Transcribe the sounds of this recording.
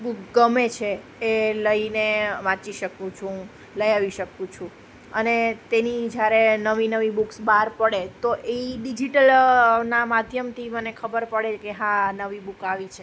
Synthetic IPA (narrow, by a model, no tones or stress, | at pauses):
bukɡəmet͡ʃʰeː | ləineʋãt͡ʃiʃəkũt͡ʃʰũ | ləjaʋiʃəkũt͡ʃʰũ | ənet̪enid͡ʒjaɾenəʋinəʋibuksbaɾpəɽet̪oʔeiɖid͡ʒiʈəlnamad̪ʱjəmt̪ʰimənekʰəbəɾpəɽekeɦãnəʋibukaʋit͡ʃʰe